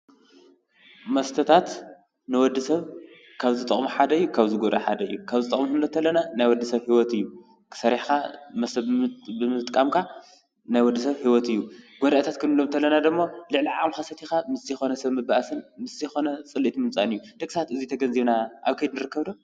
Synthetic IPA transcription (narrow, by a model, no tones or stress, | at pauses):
mɐst̪ʰɐt̪ʰat̪ | nɨwɔd̪ːɨsɐβ | kʰaβzɨt̪ʼɐ̰χʼmuħad̪ɐɨjːukʰaβziɡod̪ʔɐħa̰d̪ɐɨjːukʰaβzɨt̪ʼɐ̰χʼmuhɨnːɐt̪ʰːɐlːɐnanajwɔd̪ːɨsɐβhiwɔt̪ɨjːu | kʰɨ̥sɐɾiħkamɐsɐbɨmɨt̪ʼkʼamkʰa | najwɔd̪ːɨsɐβhiwɔt̪ɨjːuɡ̥ɔd̪aʔt̪ʰat̪kʰɨnɨlomnt̪ʰɐlːɐnad̪ɨmːo̞lɨʕliʕamxasɐt̪ʰixamɨszɨxo̞nɐsɐβmɨbaʔasɨnmɨszɐjxo̞nɐt͡sʼɨlːit̪mɨmt͡sʼanɨjːud̪̥ɐkʼsat̪ɨzit̪ʰɐɡɐnziβnaʔaβkʰɐjd̪nɨɾɨkːɐβd̪o